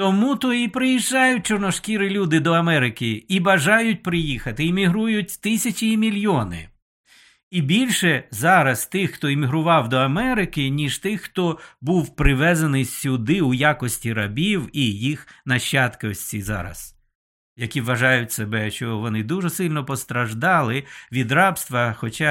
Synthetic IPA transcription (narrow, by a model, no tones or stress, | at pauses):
t̪ɔmut̪ɔipɾɪjiʒːɑjʊt̚ʲt͡ʃɔrnɔʃkʲiɾɪlʲud̪ɪd̪ɔɐmɛɾɪkɪibɐʒɑjʊt̚ʲpɾɪjixɐt̪ɪːmʲiɦɾujʊt̚ʲt̪ɪsʲɐt͡ʃʲiːmʲilʲjɔnɪ̰ | ibʲilʲʃɛzɑɾɐst̪ɪxxt̪ɔemʲiɦɾʊʋɑwd̪ɔɐmɛɾɪkɪnʲiʃt̪ɪxxt̪ɔbuwpɾɪʋɛzɐnɪsʲsʲʊd̪ɪʊjakɔsʲtʲiɾɐbʲiwijixnɐʃːɑt̪kɔsʲtʲizɑ̰ɾɐ̰z̥ | jɐkʲiʋʋɐʒɑjʊtʲsebɛʃt͡ʃɔʋɔnɪd̪uʒɛsɪlʲnɔpɔst̪ɾɐʒd̪ɑlˠɪʋʲid̪ɾɑpst̪ʋɐxɔt͡ʃɑ